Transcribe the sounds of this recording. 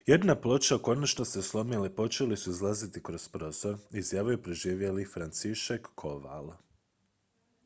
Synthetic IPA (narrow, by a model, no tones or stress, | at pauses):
je̞d̪naplˠo̞t͡ʃako̞nat͡ʃnoseslˠo̞milepo̞t͡ʃe̞lisuizlˠazit̪ikɾo̞spɾo̞zo̞ɾizjaːʋojupɾeʒiːʋje̞lifɾant̪siʃakːʰoʋa̰l